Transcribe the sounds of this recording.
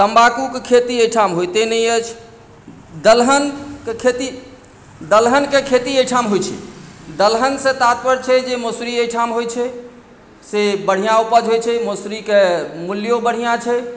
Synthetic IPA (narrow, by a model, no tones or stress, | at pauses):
t̪əmbakukekʰet̪ieʈʰamɦojt̪enɛjət͡ʃʰ | d̪əlɦənkekʰet̪i | d̪əlɦənkekʰet̪iejʈʰamɦojt͡ʃʰɛ̰d̪əlɦənsẽt̪at̪̚pəɾt͡ʃʰɛd͡ʒemosɾiejʈʰamɦojt͡ʃʰɛ | sebəɽ̤ijãupəd͡ʒɦojt͡ʃʰɛmosɾikemuljobəɽ̤ijãt͡ʃʰɛ